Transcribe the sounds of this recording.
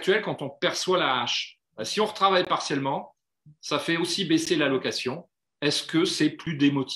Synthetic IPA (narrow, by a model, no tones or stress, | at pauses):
t̪ɥɛlkɑ̃t̪ɔ̃pɛʁswalaːʃ | basiɔ̃ʁət̪χavajpaʁsjɛlmɑ̃ | safɛosibeselalɔkasjɔ̃ | ɛskəsɛplyd̪emɔt̪ʰi̥